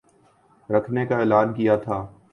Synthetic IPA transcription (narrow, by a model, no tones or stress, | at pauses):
ɾɐkʰnekaeːlaːnkijat̪ʰaː